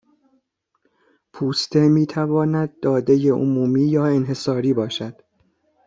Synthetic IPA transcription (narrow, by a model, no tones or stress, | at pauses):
pʰuːst̪ʰe̞miːt̪ʰævɒːnæd̪̚ːɒːd̪e̞je̞ʔo̰muːmiːjɒːe̞nɦe̞sɒːɾiːbɒːʃæd̪̥